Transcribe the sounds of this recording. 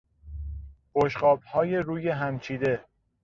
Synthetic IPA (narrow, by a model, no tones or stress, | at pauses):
b̥oʃɢɒːb̚hɒːje̞ɾuːje̞ɦæmt͡ʃʰiːd̪e̞